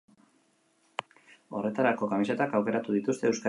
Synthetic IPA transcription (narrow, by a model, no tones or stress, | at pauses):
o̞re̞t̪aɾako̞kamise̞t̪akawke̞ɾat̪uðit̪ust̪e̞ːwska